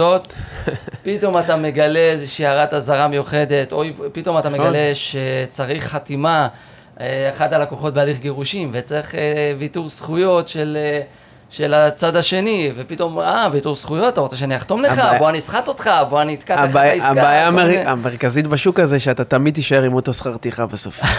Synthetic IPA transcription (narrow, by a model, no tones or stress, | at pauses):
ot | pito̞matame̞ɡale̞ezeʃiːaʁat̪azaʁamejuχe̞d̪e̞tojpit̪o̞mat̪ame̞ɡale̞ʃet͡saʁiχːat̪ima | eeχadalako̞χo̞t̚bealiχɡeʁuʃimvet͡seχevituʁsχujo̞tʃel | ʃe̞lat͡sad̪aʃe̞nive̞pito̞mavituʁsχujo̞tat̪aʁo̞t͡se̞ʃaniaχt̪o̞mleχaboanisχat̪o̞t̪χabo̞aniːt̪kabajaaaajaeameʁkazit̪baʃukazeʃeat̪at̪amid̪̚t̪iʃaeʁimot̪o̞sχaʁt̪iχabeso̰f